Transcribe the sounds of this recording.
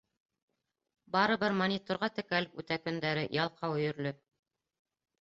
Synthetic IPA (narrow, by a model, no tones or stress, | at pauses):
bɑɾɤ̆bɘɾmonʲit̪ŏɾʁɑt̪ɘ̆kælɘpʉt̪ækɵ̆nd̪æɾɘjɑlˠqʰɑwɵ̆jɵ̆ɾlɵ